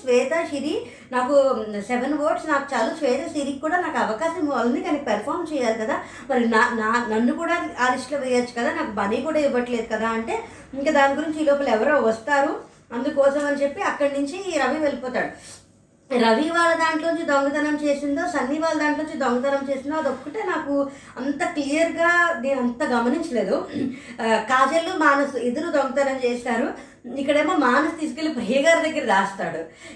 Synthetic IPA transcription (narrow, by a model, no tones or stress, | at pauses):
sʋɛːt̪aːʃiɾiː | naːkuseʋenʋoːʈsnaːku̥t͡ʃaːlasʋɛːt̪ɐsiɾikkːuːɽaːnaːkuɐʋɐkaːʃɐmɐlnd̪ikɐnɐkipɐɾpʰaːɾmt͡ʃɛːjaːlikɐd̪aː | mɐɾinanaːnɐnːukuːɽaːaːɾiʂʈlɐʋijat͡ʃːu̥kɐd̪aːnaːkubɐlikuːɽaːiʋɐʈle̞ːd̪ukɐd̪aːɐɳʈe̞ː | iŋkaːd̪aːniɡuɾiɲt͡ʃiːlɔːpɐlɛʋɐɾoːʋɐst̪aːɾu | ɐnd̪ukɔːsɐmɐnit͡ʃe̞pːiɐkːɐɽnuɲt͡ʃiɾɐʋiʋelipɔːt̪aːɽu | ɾɐʋiʋaːlːɐd̪aːɳʈloːuɲt͡ʃid̪oŋɡɐd̪ɐnɐmt͡ʃe̞ːsind̪o̞ːsɐnːiːʋaːlɐd̪aːɳʈloːuɲt͡ʃid̪oŋɡɐd̪ɐnɐmt͡ʃe̞ːsind̪oːɐd̪okːɐʈeːnaːku | ɐnt̪ɐklijɐɾɡaːneːnuɐnt̪ɐɡɐmɐniɲt͡ʃɐle̞ːd̪u | kaːd͡ʒɐlːumaːnɐsued̪ɐɾud̪oŋɡɐt̪ɐnɐmt͡ʃeːsaːɾu | ikːɐɽeːmoːmaːnɐst̪iːs̬ukilipɾijɐɡaːɾɐd̪ɐɡːɐɾɐd̪aːst̪aːɽu